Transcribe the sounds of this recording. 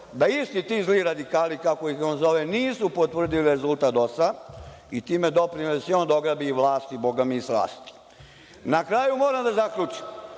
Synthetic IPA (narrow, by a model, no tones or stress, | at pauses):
d̪aist̪it̪iːzliɾad̪ikaːlikaokoionzo̞ʋeniːsupo̞t̪ʋr̩d̪iliɾe̞zult̪aːt̪o̞sa | it̪iːmed̪o̞pɾinliseond̪oɡɾabiːʋlˠaːst̪ibo̞ɡamiːsla̰ːst̪i̥ | nakɾaːjumo̞ːɾamd̪azakʎʲuːt͡ʃi̥m